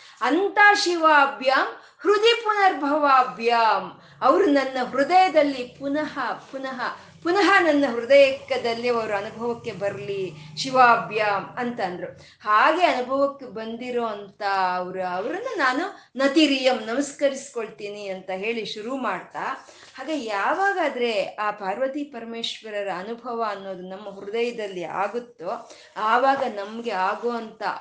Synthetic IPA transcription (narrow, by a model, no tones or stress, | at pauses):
ɐnt̪aːʃiʋaːbʱjaːm | hɾud̪ʱipunɐɾbʱɐʋaːbʱjaːm | ɐʋɐɾunɐnːɐɦɾud̪ɐjɐd̪ɐlːipunɐɦɐpunɐɦɐ | punɐɦɐnɐnːɐɦɾud̪ɐjɛkːɐd̪ɐlːiɐʋɐɾuɐnubʱɐʋɐkːe̞bɐɾliʃiʋaːbʱjaːmɐnt̪ɐnd̪ɾu | haːɡe̞ɐnubʱɐʋɐkːe̞bɐnd̪iɾoːɐnt̪ɐɐʋɐɾuɐʋɐɾɐnːunaːnu | nɐt̪iɾiːjɐmnɐmɐskɐɾisi̥ko̞ɭt̪iːniɐnt̪ɐɦe̞ːɭiʃuɾumaːɖt̪aː | haːɡeːjaːʋaːɡaːd̪ɐɾe̞aːpaːɾʋɐt̪ipɐɾɐme̞ːʃʋɐɾɐɾɐːnubʱɐʋɐːnːo̞ːd̪unɐmːɐɦuɾud̪ɐjɐd̪ɐlːia̰ːɡut̪ːu | aːʋaːɡɐnɐmɐɡe̞aːɡoːɐnt̪ɐ̰